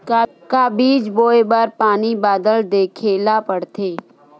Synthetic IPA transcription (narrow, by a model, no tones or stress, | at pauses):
ka | kabiːd͡ʒboːebaɾpaːnibaːd̪əld̪eːkʰeːlapəɽt̪ʰeː